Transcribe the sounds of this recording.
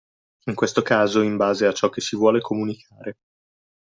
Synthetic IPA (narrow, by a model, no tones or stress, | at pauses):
iŋkwest̪okaːzoimbaːzeat͡ʃɔkːesivwɔːlekʰomunikʰaːɾe